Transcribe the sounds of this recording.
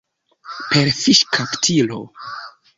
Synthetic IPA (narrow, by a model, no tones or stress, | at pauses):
pe̞ɾfiʃkʰaptʰilo̞̰